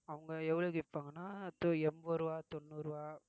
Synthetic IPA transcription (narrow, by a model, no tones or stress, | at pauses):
ɐʋɐŋɡɐɛʋːɐɭoɡɪpːaːŋɡɐnːaːt̪ɔɛmboɾɯʋaːt̪ɔnːuːɾɯʋaː